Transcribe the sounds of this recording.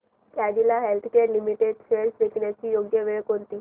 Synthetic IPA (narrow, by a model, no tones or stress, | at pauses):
kad͡ʑilaɦelt̪ʰkeɾlimiʈeɖseɾsd̪ekʰinet͡ɕijoɡjəʋeɭkoɾt̪i